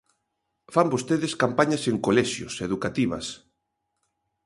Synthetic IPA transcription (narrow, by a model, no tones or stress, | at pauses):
fambost̪eðɪskampaɲɐseŋkolɛʃjʊ̰seðukat̪iβɐ̰s